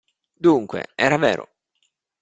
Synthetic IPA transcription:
d̪uŋkwḛɛːɾavɛːɾo̰

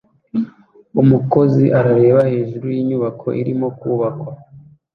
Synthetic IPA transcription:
umuko̞ziʔaɾaɾe̞ːβahe̞ːʒuɾujiːɲuβakʰo̞̰ʔiɾimo̞kuːβakwa

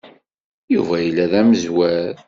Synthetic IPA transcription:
juvæjəlːæðæməzwæɾ

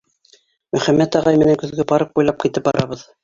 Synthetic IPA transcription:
mɵ̆χæmːæt̪ɑʁɑjmɘ̆næŋkɵ̆ðɡɘbɑɾɤq̚ujlˠɑp̚kit̪ɘp̚bɑ̰ɾʔɑβɤð

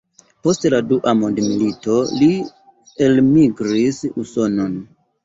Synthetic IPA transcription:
po̞stladuʔamondmilito̞li | elmiɡɾisuso̞no̞n

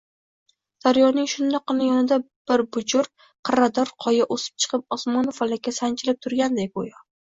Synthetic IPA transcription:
d̪̥aɾjɒnɪŋʃʊnd̪ɒqːɨnajɒnɪd̪a | b̥ɪɾbʊd͡ʒʊɾ | qʰɨɾad̪ɒɾqʰɒjaʔosɪ̥p̚t͡ʃʰɨ̥qʰɨp̚ɒsmɒnofalakʲːasant͡ʃʰɪlɪp̚t̪ʰʊɾɡʲand̪ebojɒ

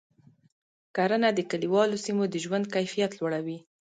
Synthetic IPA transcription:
kaɾənad̪əkaɽiwɑlosimod̪əʒwand̪̚kajfijat̪lwaɽawi

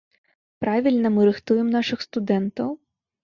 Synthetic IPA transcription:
pɾɑʋʲilʲnɐmɨɾɪxt̪ujemnɑʃɪxst̪ʊd̪ɛnt̪ɐw

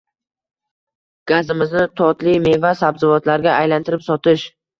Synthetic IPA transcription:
ɡ̥azɪmɪznɪt̪ʰɒt̪lijme̞vasabzɪvɒt̪laɾɡʲaʔajlant̪ʰɪɾɪpsɒt̪ɪʃ

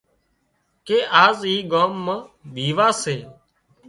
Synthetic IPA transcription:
keːʔaːziːɠoːmːãːɓʱiːʋaːseː

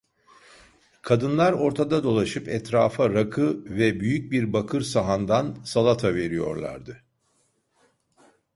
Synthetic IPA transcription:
kʰad̪ɯnlˠaɾo̞ɾt̪ʰad̪ad̪o̞lˠaʃɯpɛt̪ɾaːfaɾakʰɯvɛbyjyc̚biɾbakʰɯɾsaɦand̪ansalˠat̪ʰave̞ɾijo̞̰ɾlˠa̰ɾd̪ɯ

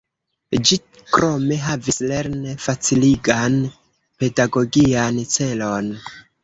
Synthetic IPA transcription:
d͡ʒi | kɾʔo̞me̞ɦavisle̞ɾnefat͡siliɡan | pe̞daɡo̞ɡiant͡se̞lo̞n

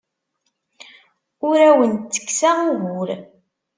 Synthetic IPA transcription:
ʊɾæwənt͡sːə̥kːsaʊɣʊɾ

